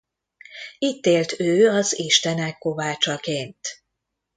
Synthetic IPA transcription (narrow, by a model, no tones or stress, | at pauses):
it̪ːeːlt̪øːɒziʃt̪ɛnɛkːo̞vaːt͡ʃɒkeːnt̪